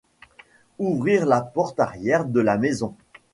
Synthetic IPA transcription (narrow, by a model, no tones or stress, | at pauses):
uvʁiʁlapɔʁt̪aʁjɛʁd̪əlamezɔ̃